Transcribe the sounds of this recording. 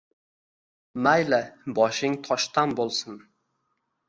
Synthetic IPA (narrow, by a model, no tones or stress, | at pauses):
majlɪbɒʃɪŋt̪ʰɒʃt̪anbolˠsɪn